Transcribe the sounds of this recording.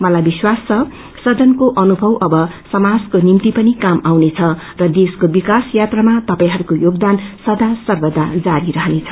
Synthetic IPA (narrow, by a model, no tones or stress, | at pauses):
mʌlajbiswast͡sʰʌ | sʌd͡zʌnkoʔʌnubʱʌwʌbʌsʌmad͡zkonimt̪ipʌnikamawnet͡sʰʌ | rʌd̪eskobikasjat̪ramat̪ʌpaĩɦʌɾukojoɡd̪ansʌd̪asʌrbʌd̪ʱad͡zaɾiɾʌɦnet͡sʰʌ̥